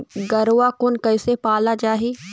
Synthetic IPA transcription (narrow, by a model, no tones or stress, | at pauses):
ɡɐɾakʊnkɐɪsepaːlad͡ʒaːɦiː